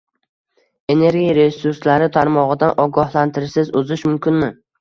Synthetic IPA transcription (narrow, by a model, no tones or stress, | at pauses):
e̞ne̞ɾɡʲiɾe̞suɾslaɾɪt̪ʰaɾmɒʁɨd̪anʔɒɡɒhlant̪ʰɪɾsɪzʊzɪʃmʊmkʲɪnmɪ